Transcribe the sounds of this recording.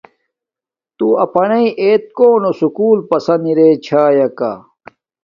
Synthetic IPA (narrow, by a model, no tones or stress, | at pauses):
t̪uɐpɐnɐiʔeːt̪̚koːnosukuːlpɐsɐniɾeːt͡ɕʰaːjɐka̰